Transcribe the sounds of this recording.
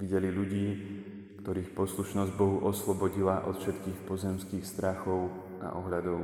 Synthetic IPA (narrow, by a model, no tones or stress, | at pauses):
ʋiɟɛliʎuɟiː | kt̪ɔɾiːxpɔsluʃnɔzɟbɔɦuʔɔslɔbɔɟilaʔɔ̰t̪fʃɛt̪kiːxpɔzɛmskiːxst̪ɾaxɔʊ | a̰ʔɔɦʎad̪ɔʊ